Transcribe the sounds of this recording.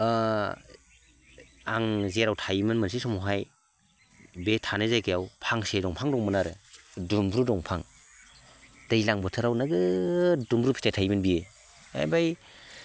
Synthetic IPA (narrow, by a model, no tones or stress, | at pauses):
aŋzeɾawtʰajmɯnmɯnsisɔmɔɦaj | betʰanɯzajkajawpʰaŋsedɔŋpʰaŋdɔŋmɯnaɾɯdumbɾudɔŋpʰaŋ | dajlaŋbɔtʰɯɾawnaɡɯdumbɾupʰi̥tʰajtʰajmɯnbie | a̰jbaj